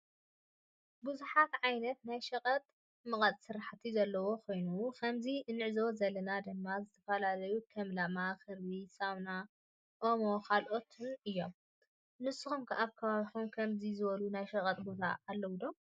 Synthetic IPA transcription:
bɨzuħat̪ʕajnɐt̪najʃɐqʼɐt̪ʼ | mɨkʼɐt̪ʼsɨɾaħt̪ʰizɐlːɐwo̞kʰo̞jnukʰɐmziɨnːɨʕzo̞zɐlɐnad̪ɨmːazɨt̪ʰɐ̥fɐlalɐjukʰɐmlamaxɨɾβisaβna | ʔomo̞kʰalʔo̞t̪ʰɨnɨjːo̞m | nɨsːɨxumkʰɨʔaβkʰɐβaβiħumkʰɐmzizɨβɐlunajʃɐkʼɐt̪ʼbot̪ʰa̰ːlːɐwud̪om

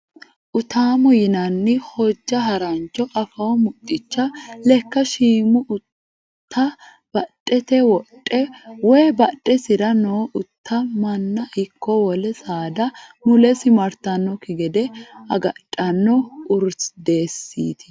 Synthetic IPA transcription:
ʔʊt̪aːmɔjɪnɐnːɪhɔd͡ʒːɐɦɐɾɐnt͡ʃːɔʔɐfɐwɔmʊt̪ʼːɪt͡ʃːɐlɛkːɐʃiːmʊʔʊ | tt̪ʰːɐ | b̥ɐtʼːɛt̪ɛwɔtʼːɛwɔjbɐɗʼːɛsɪɾɐnoːʔʊt̪ʰːɐmɐnːɐʔɪkːɔwɔlɛsaːd̪ɐmʊlɛsɪmɐɾt̪ɐnːɔkɪɡɛd̪ɛɐɡɐtʼːɐnːɔʊɾsd̪e̞ːsːḭːt̪ʰɪ̥

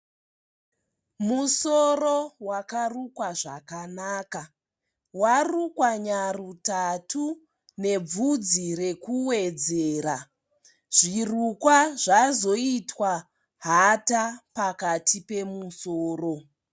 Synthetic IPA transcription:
musorowakarukwaʐa̰kanaːka | warukwaɲarutatu | ne̞b͡vud͡zire̞kuwed͡zeːɾa | ʐ̥irukwaʐazo̞itwa | ɦatapakatʰipe̞musoːro̞

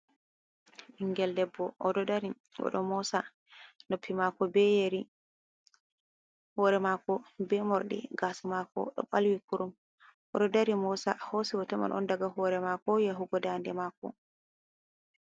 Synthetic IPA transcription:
ʔiŋɡɛldɛbːɔʔɔdɔdaɾi | ɡɔ̰ɗɔ̰mɔsa | nopʰːimakɔbɛjeɾi | hɔɾɛmakɔbɛmɔɾɗḭɡasamakɔ̰ɗɔ̰ɓalwikuɾum | ʔɔdɔdaɾimɔsahosiwɔtɔma̰nʔɔ̰ndaɡahɔɾɛmakɔjaɦuɡɔdandɛmakɔ̰

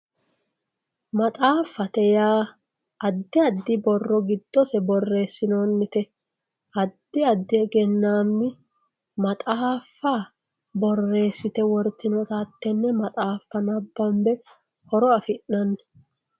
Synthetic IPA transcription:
mɐt̪ʼaːfːɐt̪ɛjaː | ɐd̪ːɪɐd̪ːɪbɔrːɔɡɪd̪ːɔsɛbɔrːe̞ːsːɪnoːnːɪt̪ɛ | ɐd̪ːɪɐd̪ːɪɡɛnːaːmːɪ | mɐt̪ʼaːfːa | bɔrːe̞ːsːɪt̪ɛwɔɾt̪ːɪnɔt̪at̪ːɛnːɛmɐt̪ʼaːfːɐnɐbːɐmbɛ | hɔɾɔɐfɪʔːɐnː

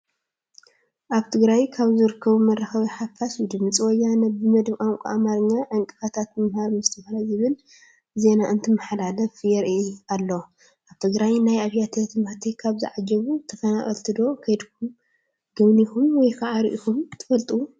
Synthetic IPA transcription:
ʔaβt̪ʰɨɡɾajkʰaβzɨɾɨkʰːɐβumɐrːaxɐβiħafasd̪ɨmɨt͡sʼwɔjːanɐbɨmɐd̪βkʼaŋkʷʼuamaɾɨɲːaʕaŋkʼɨfat̪ʰat̪mɨmhaɾmɨst̪ʰɐfalajzɨβɨl | ze̞naʔɨnt̪ʰɨmɨħlalɐfjɛɾʔalːo | ʔaβt̪ʰɨɡɾajnajaβjat̪ʰɐt̪ʰɨmaħt̪ʰikʰaβzɨ̰ʕad͡ʒɐβut̪ʰɐfɐnaχʼɐ̰lt̪ʰɨd̪o̞kʰɐjd̪kʰu | ɡ̥ɨβnixumwɔjkʰaʕaɾʔixumt̪ʰɨfɐlt̪ʼu

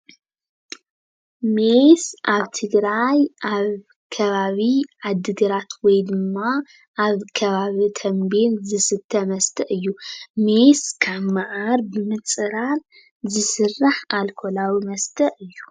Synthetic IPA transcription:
mesʔaβt̪ʰɨɡɾajʔaβ | kʰɐβaβiʕad̪ːɨɡ̪ɨɾat̪ʰwɔjd̪ɨmːa | ʔːβkʰɐβaβit̪ʰɐmbenzɨsɨt̪ʰːɐmɐst̪ʰɐʔɨjːumeskʰaβmɨʕaɾbɨmɨt͡sʼɨɾal | zɨsɨrːaħalkʰolawimɐst̪ʰɐʔɨjːu

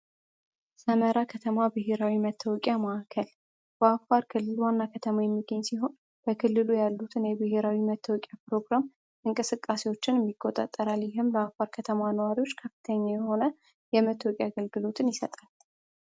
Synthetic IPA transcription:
səməɾakʰət̪ʰəmabɨɦe̞ɾawimət̪ʰːəwɔkʼjamaːkʰəl | b̥əafaɾkʰɨlːɨlwanːakʰət̪ʰəmajɛmːiɡəɲːsiɦo̞n | b̥əkʰɨlːɨlujalːut̪ʰɨnjɛbɨhe̞ɾawimət̪ʰːəwɔkʼjapɾo̞ɡɾam | ʔɨŋkʼɨsɨkʼːasewo̞t͡ʃːɪnmːikʼːo̞t̪ʼa̰t̪ʼːəɾaljɪɦɪmləafaɾkʰət̪ʰəmanəwaɾiwo̞t͡ʃːkʰəfi̥t̪ʰəɲːajɛho̞nə | jɛmət̪ʰːəwɔkʼjaɡəlɡɨlo̞t̪ʰɨnjɪsət̪ʼal

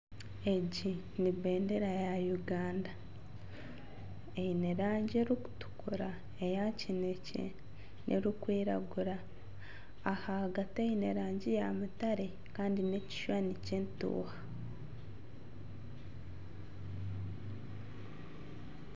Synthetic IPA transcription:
e̞ɟi | niβe̞ːndeɾajajuɡaːnda | eineɾaːɲɟeɾuku̥tu̥kuɾa | ejacinecḛ | nʔḛɾukwiːɾa̰ɡuɾaː | hahaɡatejineɾaːɲɟijamutaɾe | kaːndine̞ci̥ʃwaniceːntṵːhḁ

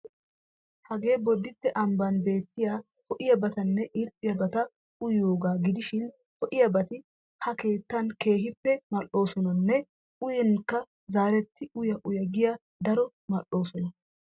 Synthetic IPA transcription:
hɐɡe̞ːbɔd̪ːɪt̪ːɛʔɐmbɐnbe̞ːt̪ːɪja | hɔʔɪjɐbɐt̪ɐnːɛʔɪɾtʼːɪjɐbɐt̪ɐ | ʊjo̞ːɡaːɡɪd̪ɪʃɪn | hɔʔɪjɐbɐt̪ɪ | hɐke̞ːt̪ːɐnke̞ːɦɪpːɛmɐlːo̞ːsɔnɐnːɛ | ʊjɛnkːɐ | zaːɾɛt̪ːɪʊjɐʔʊjɐɡɪjɐ | d̪ɐɾɔ | mɐʔo̞ːsɔnɐ

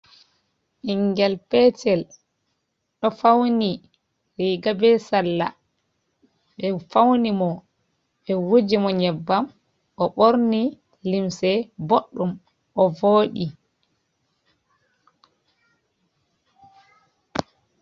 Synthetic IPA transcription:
ʔiŋɡɛlpɛt͡ʃɛl | ɗɔfawni | ɾiːɡabɛsalːa̰ | ɓɛfawnimɔ | ɓɛwud͡ʒimɔɲɛbːam | ɔɓoɾni | limsɛboɗːum | ʔɔvoːɗi

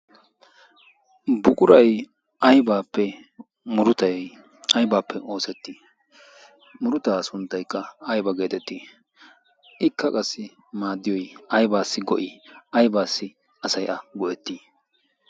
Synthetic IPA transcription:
bʊkʼʊɾɐj | ʔɐjbaːpːɛ | mʊɾʊt̪ɐjɛj | ʔɐjbaːpːɛʔo̞ːsɛt̪ːi | mʊɾʊt̪aːsʊnt̪ːɐjkːɐɐjbɐɡe̞ːt̪ɛt̪ːi | ʔɪkːɐkʼɐsːɪ | maːd̪ːɪjɔjɐjbaːsːɪɡɔʔɪɐjbaːsːɪ | ɐsɐjʔɐɡɔʔɛt̪ːiː

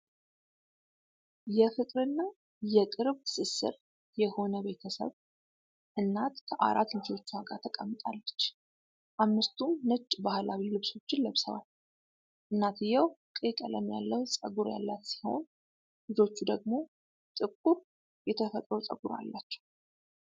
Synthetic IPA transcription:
jɛfɨkʼɾɨnːa | jɛkʼɨɾβsɨsːɨ̰ɾ | jɛho̞nəbe̞t̪ʰəsə̰β | ʔɨnːat̪kʰəʔa̰ɾat̪lɪd͡ʒo̞t͡ʃːuaɡat̪ʰəkʼəmːɨt̪ʼa̰lːət͡ʃː | ʔamːɨst̪ʰumːɨt͡ʃʼːbahlawilɨβso̞t͡ʃːɪnləβsə̰βa̰l | ʔɨnːat̪ʰɨjɛwkʼekʼələmːjalːəwsʼəɡuɾja̰lːat̪siho̞̰n | lɨd͡ʒo̞t͡ʃːud̪əɡ̚mo̞ | t̪ʼɨkʼːuɾ | jɛt̪ʰəfət̪ʼɾəwt͡sʼə̰ɡuɾa̰lːat͡ʃːɛ̥w

